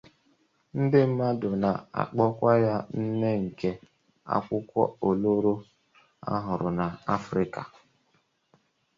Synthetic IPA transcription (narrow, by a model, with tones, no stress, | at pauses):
n̩˦dɪ˦m̩˦ma˦dʊ˨na˨a̰˨k͡pɔ˦kʷa˦ja˦n̩˦ne˦ŋ̩˨ke˦ | a̰˦kʷʊ˦kʷɔ̰˦o˨lo˦ɾo˦ | a̰˦ɦʊ˨ɾʊ˨na˨a˦fɾɪ˦ka̰˨